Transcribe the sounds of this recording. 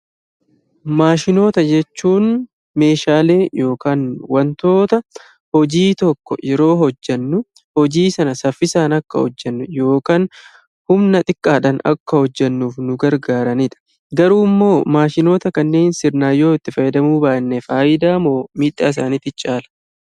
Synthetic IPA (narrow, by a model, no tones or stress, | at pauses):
maːʃɪno̞ːt̪ɐd͡ʒɛt͡ʃːuːn | me̞ːʃaːle̞ːjo̞ːkaːnwɐnt̪o̞ːt̪ɐ | hɔd͡ʒiːt̪ɔkːɔ̰jɛɾo̞ːɦɔd͡ʒːɐnːʊ | hɔd͡ʒiːsɐnɐsɐfːɪsaːnɐkːɐ̰hɔ̰d͡ʒːɛnːʊjo̞ːkaːn | hʊmnɐt̪ʼɪkʼːaːᶑɐnɐ̰kːɐhɔd͡ʒːɛnːuːfnʊɡɐɾɡaːɾɐniᶑ̪ɐ̥ | ɡɐɾuːɪmːo̞ːmaːʃɪno̞ːt̪ɐkɐnːe̞ːnsɪɾnaːjo̞ːɪt̪ːɪfɐjːɛd̪ɐmuːbaːnːɛfaːʔɪd̪aːmoːmiːᶑːa̰ːɪs̬aːniːt̪ɪt͡ʃʼaːlɐ̥